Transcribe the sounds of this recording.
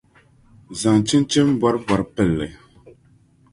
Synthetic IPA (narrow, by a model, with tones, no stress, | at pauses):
za˨ŋt͡ʃi˦nt͡ʃi˦m˦bwa˦ɾba˨ɾpɛ˦˨lːɛ˨